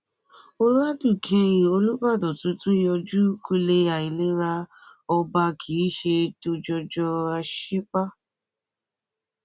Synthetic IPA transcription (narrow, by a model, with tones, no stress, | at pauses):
o˧ɾa˦du˦˨kʰẽ˧ĩ˨o˧lu˦ba˦˨dɔ˨tũ˨˦tũ˦jɔ˧d͡ʒu˦ku˧le˧a˨i˨le˨˦ɾa˧ɔ˧ba˧kʰi˨˦ʃe˧to˧d͡ʒɔ˧d͡ʒɔ˧a˧ʃi˦k͡pa˦